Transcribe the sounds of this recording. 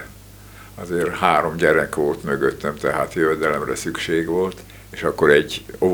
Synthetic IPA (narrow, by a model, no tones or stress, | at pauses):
ɒzeːrhaːɾo̞mɟɛɾɛkoːt̪møɡøt̪ːɛmt̪ɛɦaːt̪jøvɛd̪ɛlɛmrɛsykʃeːɡʋo̞lt̪ | eːʃɒkːoɾɛɟːo